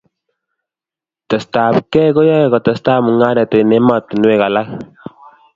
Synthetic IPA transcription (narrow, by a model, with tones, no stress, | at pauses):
t̪ɛ˨st̪a˨pkɛ˦ɣo˦jɔ˦˨ɣɔ˨t̪ɛ˨st̪a˦mu˨ŋa˦ɾɛ˨t̪e˨ne˦ma˨t̪nwe˦˨ɣa˨la˦